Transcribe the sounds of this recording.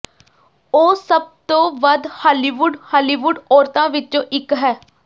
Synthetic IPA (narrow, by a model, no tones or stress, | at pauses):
oːsəb̚t̪õːʋəd̪haːliːʋuɖhaːliːʋʊɖɔːɾt̪ãːʋɪt͡ʃõːʔɪkɦɛː